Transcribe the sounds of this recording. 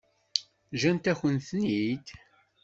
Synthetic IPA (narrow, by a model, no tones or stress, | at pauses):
ʒænt̪æçənθənid̪